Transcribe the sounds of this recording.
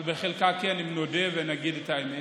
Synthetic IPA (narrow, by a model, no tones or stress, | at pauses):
lbeχelkakianimnod̪evenaɡidet̪aeme